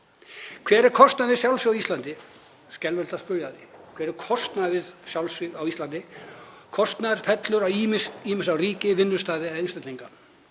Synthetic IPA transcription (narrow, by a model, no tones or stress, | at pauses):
kʰvɛːɾɛɾ̥kʰɔst̪naðvɪðsjawlsiɣawist̪lant̪ɪ | scɛlvɛlt̪aspʏɾjaðɪkʰvɛːɾɛɾkʰɔst̪naðvɪðsjawlsiɣawist̪lant̪ɪ | kʰɔst̪naðɾ̥fɛt̪lʏɾawmsimɪsawriːcɪvɪnːʏst̪aːðɪɛðɪnsɛt̪iŋka